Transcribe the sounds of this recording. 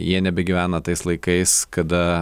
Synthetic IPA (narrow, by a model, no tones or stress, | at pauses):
jiɛnʲɛbʲɛɡʲiʋʲæːnɐt̪ɐɪslˠɐɪkɐɪskɐd̪ɐ